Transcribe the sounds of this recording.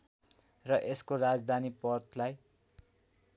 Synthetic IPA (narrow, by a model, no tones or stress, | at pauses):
rʌʔeskorad͡zd̪ʱanipʌrt̪ʰlaj